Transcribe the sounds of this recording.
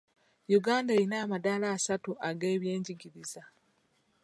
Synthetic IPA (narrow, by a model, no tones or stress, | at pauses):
juɡaːndaeɾinaːmadaːlaːsatuʔaɡe̞ːβje̞ːɲɟiɡiɾiza